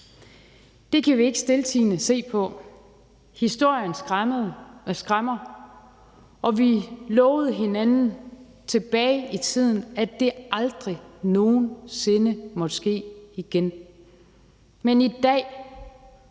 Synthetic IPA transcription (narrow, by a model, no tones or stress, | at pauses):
d̥e̝kʰæʋie̝ɡ̥ə̥sd̥e̝lt͡sʰḭːnəse̝̰ːpʰɒ̽ | hisd̥o̝ɐ̰jən | sɡ̥ʁamɐ | ɒ̽ʋilɒːʊð̞̩ˠɦe̝nænn̩ | t͡sʰe̝b̥ɛːɪit͡sʰið̞̰ˠn̩æd̥e̝ɑ̈ld̥ʁino̝ːnse̝nəmɒ̽d̥sɡ̥e̝̰ːiɡ̥en | menid̥ɛ̰ː